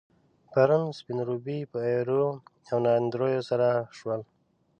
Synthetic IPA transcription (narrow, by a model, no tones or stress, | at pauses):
paɾunspinɾubipəajɾoawnand̪ɾojosaɾaʃwəl